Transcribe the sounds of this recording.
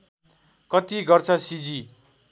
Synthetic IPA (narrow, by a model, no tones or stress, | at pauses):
kʌt̪iɡʌrt͡sʰʌsid͡zi